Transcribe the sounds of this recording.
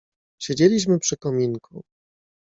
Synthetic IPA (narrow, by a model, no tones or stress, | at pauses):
ɕed͡ʑelʲiɕmɘpʂɘkɔmʲinkṵ